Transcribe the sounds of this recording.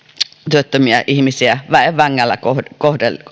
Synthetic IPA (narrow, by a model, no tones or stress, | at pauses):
t̪yøt̪ːømiæʔihmisiæʋæeʋʋæŋːælːæ̰kokohdel